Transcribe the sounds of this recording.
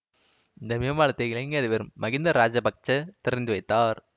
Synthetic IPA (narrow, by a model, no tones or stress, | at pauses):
ɪnd̪ɐmɪɐmaːɭɐt̪ːɐɣɪɭɐŋɡɐðɪʋɐɾɯmːɐɣɪnd̪ɐɾaːd͡ʒɐpɐk̚t͡ʃːɐt̪ɪɾɐnd̪ɯʋɐɪt̪ːaːɾ